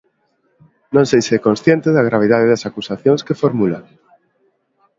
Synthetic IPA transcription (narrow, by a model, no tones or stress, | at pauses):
nõŋsejsɛkonsθjẽnt̪eðaɣ̞ɾaβ̞ið̞aðeðɐsakusaθjoŋskefoɾmulaŋ